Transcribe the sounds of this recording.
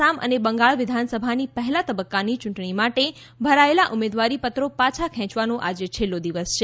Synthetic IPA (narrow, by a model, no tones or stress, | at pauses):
amʔə̰nebə̃ŋɡaɭʋɪd̪ʱansəbʱanipəɦɛlat̪əbəkːanit͡ʃʊ̃ɳʈɳimaʈe | bʱəɾaelaʔʊmed̪ʋaɾipət̪ɾopat͡ʃʰakʰɛ̃t͡ʃʋanõʔad͡ʒet͡ʃʰelːod̪iʋəst͡ʃʰe